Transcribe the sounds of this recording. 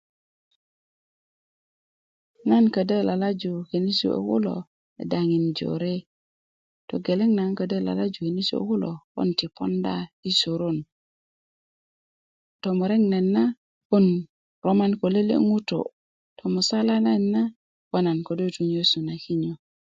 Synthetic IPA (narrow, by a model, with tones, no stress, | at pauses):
na˦nkə˨də˦la˨la˦d͡ʒu˨he˨ni˦sṵ˨ʔo̰˨kṵ˦lo̰ | ḛ˨daŋi˨nd͡ʒo̰ɾe˦ | toɡe˨le˦ŋna˨nkə˨də˦la̰˨la˦d͡ʒu˨he˨ni˦sṵ˦o̰˨ku˦loko̰˦nti˨pondai˦su˨ɾo˦n | tomuɾe˦ŋna˨nːa˦ | ko˦n | ɾoma˦nko˨le˦lḛ˦ŋu˦to̰˨ | tʰomu˨sa˦la˦nanːa˦ | kona˨nko˨do˦tuɲosu˨na˨ki˦ɲo˨